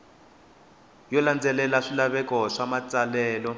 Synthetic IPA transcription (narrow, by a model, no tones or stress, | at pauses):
jɔland͡zɛlɛlaʂilaβɛkɔʂamat͡sʼalɛːlɔ